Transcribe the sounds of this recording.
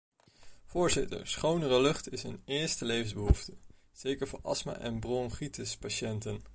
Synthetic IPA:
v̥ʊːɹzɪtə̰ɹsχownərəlɵχtɪsənɪːɹstəlejvənzbəɦuftə | z̥ejkəɹvʊ̰ːɹʔɑ̰sma̰ʔɛ̰nbrɔŋχitəspaʃɛntən

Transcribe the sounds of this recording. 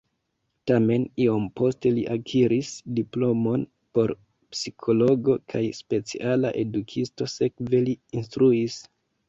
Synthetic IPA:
tame̞nio̞mpo̞ste̞liʔakʰiɾisdiplo̞mo̞n | po̞ɾ | psikʰo̞lo̞ɡo̞kʰajspe̞t͡siʔalaʔe̞dukʰisto̞se̞kve̞liinstɾuis

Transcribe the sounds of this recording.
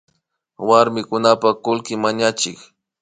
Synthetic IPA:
waɾmɪkʊnapakʊlkɪmaɲat͡ʃɪk

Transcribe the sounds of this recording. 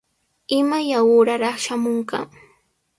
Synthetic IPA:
ɪmajawʊɾaɾɑχʃamoŋka̰ŋ

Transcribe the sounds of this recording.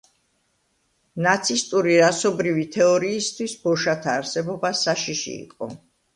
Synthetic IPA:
nat̪sʰist̪ʼuɾiɾasɔbɾivit̪ʰɛɔɾiːst̪ʰwisbɔʃat̪ʰaːɾsɛbɔbasaʃiʃḭːqʼɔ̰

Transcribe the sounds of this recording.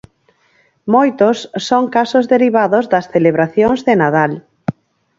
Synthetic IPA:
mojt̪osːoŋkasozðeɾiβ̞aðozðɐsθeleβ̞ɾaθjoŋzðenað̞al

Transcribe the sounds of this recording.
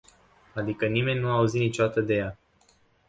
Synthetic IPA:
ad̪ikənime̞nʲnuauzinit͡ʃo̞d̪at̪əd̪e̞ja

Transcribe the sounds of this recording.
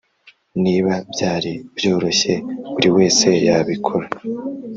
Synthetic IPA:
niβabjaːɾibjo̞ːɾo̞ɕe̞uɾiwe̞ːse̞jaβikʰoɾa

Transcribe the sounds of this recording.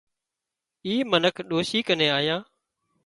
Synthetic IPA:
iːmənəkʰɗoːʃiːkəneːaːɦijãː

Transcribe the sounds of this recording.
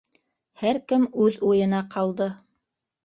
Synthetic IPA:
hæɾkɘmʉðujɤ̆nɑqʰɑlˠd̪ɤ

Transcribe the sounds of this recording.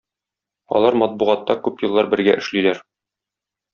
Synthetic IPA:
ɒ̰lˠɑɾmɒt̪̚buʁɑt̪ːɑkʉpjɤ̆lˠːɑɾbɘ̆ɾɡæʔɘ̆ʃlilæɾ

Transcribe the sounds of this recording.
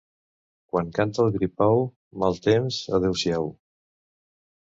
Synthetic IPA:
kwaŋkant̪əlˠɣɾipaw | malˠt̪emzəðewsjaw

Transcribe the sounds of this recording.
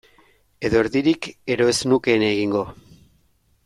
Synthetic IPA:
e̞ðo̞eɾðiɾike̞ɾo̞e̞znuke̞ːneɣiŋɡo̞

